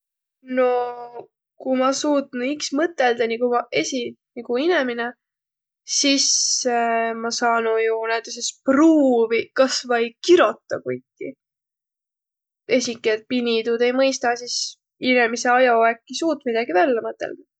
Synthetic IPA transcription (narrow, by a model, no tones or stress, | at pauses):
no̞ | kumɑsuːt̪nuiksmɤt̪ːˑe̞ld̪ɑnikumɑe̞siniɡ̥uine̞mine | sis | mɑsɑːnujunæt̪ːˑes̬espruːvikɑsvɑjkiɾo̞t̪ːɑ̰kujtːḭ | e̞sikːˑiet̪̚pinid̪ud̪e̞jmɤjst̪ɑsis | inemise̞ɑjɑekːisuːt̪̚ːˑmid̪̥ɑɡ̥ivælːemɤt̪ːˑḛld̪̥ɑ